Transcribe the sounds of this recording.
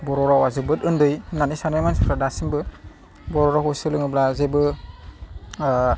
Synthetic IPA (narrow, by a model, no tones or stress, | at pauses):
bɔɾɔɾawazɯbɯtɯndɯjnanisanɯmansɔtʰadasimbɯ | bɔɾɔɾakɔsɯlɯŋɯblazebɯ